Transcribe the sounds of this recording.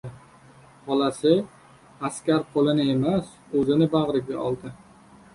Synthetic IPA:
hɒlasɪ | askʲaɾqʰolɪnɪe̞mas | ɵzɪnɪbɑʁɾɪɡʲa̰ʔɒ̰lˠd̪ɪ

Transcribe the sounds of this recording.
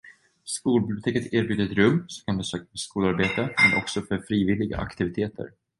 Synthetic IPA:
skuːlbɪbljʊt̪ʰeːkət̪ʰeːɾbjʉːd̪ɾɛt̪ɾɵmːsɔkʰand̪ɛnsøːkafœʂkuːlaɾbeːt̪əmɛnʔɔksɔfœɾfɾiːvɪlɪɡa̰ʔa̰kt̪ɪvɪt̪ʰeːt̪ʰə̰ɾ

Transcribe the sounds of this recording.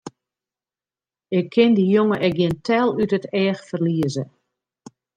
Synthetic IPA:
ɪkʰːɪndijoŋəʔɛɡjɪəntʰɛlˠytətɛːxfərliəzə

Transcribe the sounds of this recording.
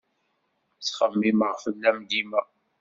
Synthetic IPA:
t͡sχəmːiməʁfəlːæmd̪imæ

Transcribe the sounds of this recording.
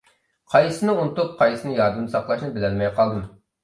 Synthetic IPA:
qʰɑjsɨnɨunɨt̪up̚qʰɑjsɨnɨjɑɾd̪ɨmɨsɑqlˠɑʃnɨbɪlɛnmɛjqɑlˠd̪ɨm

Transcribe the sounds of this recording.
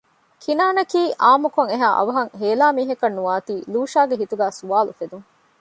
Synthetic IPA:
kʰinaːnɐkiːʔaːmukoŋeɦaːʔɐ̰ʋɐɦɐŋɦeːlaːmiːɦɐkɐnːuʋaːt̪iːluːʃaːɡeɦit̪uɡæːsuʋaːlufed̪uŋ

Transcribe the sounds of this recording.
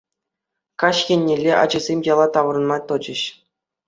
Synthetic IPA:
kɑɕxʲenʲːelʲeʔɑ̰d͡ʑɤ̆zʲemʲjɑlˠɑt̪ɑʋɤ̆rɤ̆nmɑt̪ɤ̆d͡ʑɘ̆ɕ

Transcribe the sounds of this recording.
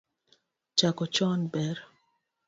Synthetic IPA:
t͡ʃakɔt͡ʃɔnbɛɾ

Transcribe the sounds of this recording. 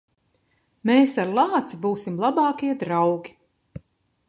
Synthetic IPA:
meːsaɾlˠɑːt̪sibuːsimlˠabɑːkiɛd̪ɾawɡʲi̥

